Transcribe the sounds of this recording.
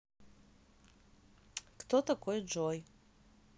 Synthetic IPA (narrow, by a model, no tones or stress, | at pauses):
kt̪ʰot̪akʰojd͡ʒoj